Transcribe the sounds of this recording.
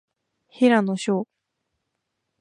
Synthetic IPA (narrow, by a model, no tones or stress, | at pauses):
hiɾanoɕoː